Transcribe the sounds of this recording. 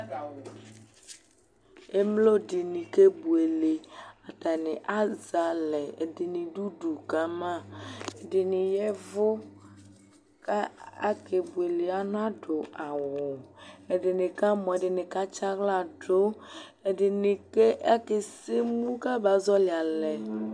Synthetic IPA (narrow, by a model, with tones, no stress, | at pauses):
e˦mlo˦ɖi˨nĩ˨ke˦bu˨e˨le˨a˨t̪a˨nɪ̃˨ʔa˦za˨le˨ḛ˨de˨nĩ˨ɖu˦ɖu˨ka˦mã˦e˨ɖɪ˨nĩ˨jɛ˦vo˦ | ka˦a˦ke˨bu˨e˨le˨a˨nɔ̃˦a˦ɖo˨a˨wo˨e˨ɖɪ˨nɪ˨ka˦mɔ̃˨e˨ɖɪ˨nɪ̃˨ka˦t͡ʃa˦ɣla˦˨ɖo˦e˨ɖɪ˨nĩ˨ke˦a˦ke˨se˦mũ˦ka˦ba˨zɔ˦li˨a˨lɛ˨